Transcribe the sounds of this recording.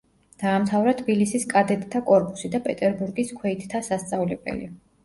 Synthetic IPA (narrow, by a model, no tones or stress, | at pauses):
d̪̥aːmt̪ʰavɾat̪ʰbilisiskʼad̪ɛt̪ʼt̪ʰːakʼɔɾpʼusid̪apʼɛt̪ʼɛɾbuɾɡiskʰwɛit̪ʰt̪ʰasast̪sʼavlɛbɛ̰lḭ